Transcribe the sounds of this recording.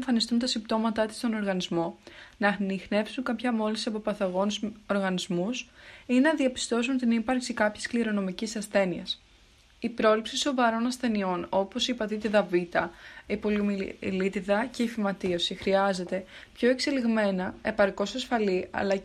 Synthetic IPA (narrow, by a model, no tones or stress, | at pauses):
ɱfɐnist̪unt̪ɐsimbt̪o̞mɐt̪ɐt̪i̥st̪o̞no̞ɾɣɐnizmo̞nɐnixne̞psuŋkɐpçɐmo̞lisiɐpo̞pɐθɐɣo̞nso̞ɾɣɐnizmusinenɐðiɐpi̥st̪o̞sunt̪inipɐɾksikɐpçɐ̥skliɾo̞no̞micisɐsθe̞niɐ̰s | ipɾo̞lipsiso̞vɐɾo̞nɐsθe̞nio̞no̞po̞sipɐt̪it̪iðɐvit̪ɐipo̞liomilit̪iðɐce̞ifimɐt̪iosixɾiɐze̞t̪e̞pço̞e̞kseliɣme̞nɐe̞pɐɾko̞sɐsfɐliɐ̰lɐ